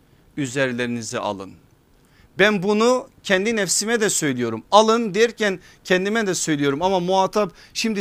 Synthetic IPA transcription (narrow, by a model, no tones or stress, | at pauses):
yzɛɾlʲeɾinizɛ̰ʔa̰lˠɯ̰n | bænbunucʰɛnd̪inɛfsimɛd̪ɛsø̞jlʲijo̞ɾumalˠɯnd̪ejiɾcʰæn | cʰɛnd̪imɛd̪ɛsø̞jlʲijo̞ɾumamamuaːt̪ʰapʃimd̪i